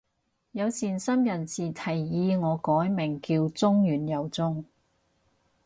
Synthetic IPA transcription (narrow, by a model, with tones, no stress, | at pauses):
jɐ˨˧wsiː˨˩nsɐ˥mjɐ˨˩nt͡siː˨˩t̪ʰɐ˨˩jːiː˧ŋɔː˨˧kɔː˨˥jmɪ˨˩ŋkiː˧wt͡sʊ˥ŋjyː˨˩njɐ˨˩wt͡sʊ˥ŋ